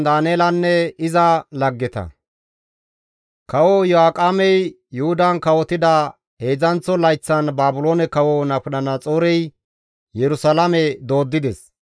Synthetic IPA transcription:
d̪aːneːlɐnːɛɪzɐlɐɡːɛt̪ɐ̰ | kɐwɔjɔaːkʼamɛj | jʊhʊd̪ɐnkɐwɔt̪ɪd̪ɐ | he̞ːzɐnt͡sːɔlɐjt͡sːɐnbaːbʊloːnɛkɐwɔnɐpʊɗɐnɐt͡sʼoːɾɛj | jɛɾʊsɐlamɛd̪o̞ːd̪ːɪd̪ɛs

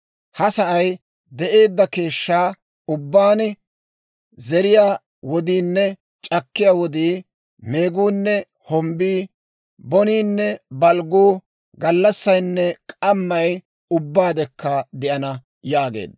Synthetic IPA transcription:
hɐsɐʔɐj | d̪ɛʔe̞ːd̪ːɐke̞ːʃːaː | ʊbːaːn | zɛɾɪjaː | wɔd̪iːnːɛ | t͡ʃʼɐkːɪjaːwɔd̪iː | me̞ːɡuːnːɛ | hɔmbiː | bɔniːnːɛbɐlɡuː | ɡɐlːɐsːɐjnːɛkʼɐmːɐj | ʊbːaːd̪ɛkːɐd̪ɛʔɐnɐ | jaːɡḛːd̪ːɐ

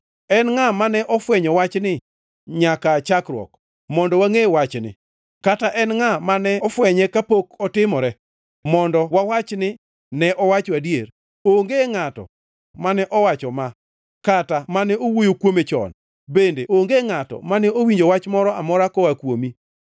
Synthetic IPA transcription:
ɛnŋamanɛʔɔfwɛɲɔwat͡ʃnɪ | ɲakat͡ʃakɾwɔ̰k | mɔndɔwaŋewat͡ʃnɪ̰ | kataʔɛnŋamanɛɔfwɛɲɛkapokɔtɪmɔɾɛ | mɔndɔwawat͡ʃnɪ | nɛʔɔwat͡ʃadjeɾ | oŋɡeŋatɔ̰ | manɛʔɔwat͡ʃɔma | katamanɛowojokwomet͡ʃɔ̰n | bendeʔoŋɡeŋatɔ̰manɛowiɲd͡ʒowat͡ʃmɔɾɔamɔɾakɔwakwomi

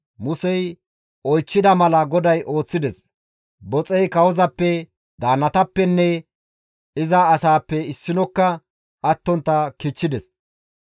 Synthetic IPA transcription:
mʊsɛj | ɔjt͡ʃːɪd̪ɐmɐlɐɡɔd̪ɐjʔo̞ːt͡sːɪd̪ɛs | bɔt͡sʼɛjkɐwɔzɐpːɛ | d̪aːnːɐt̪ɐpːɛnːɛ | ɪzɐːsaːpːɛɪsːɪnɔkːɐ | ɐt̪ːɔnt̪ːɐkɪt͡ʃːɪd̪ɛs

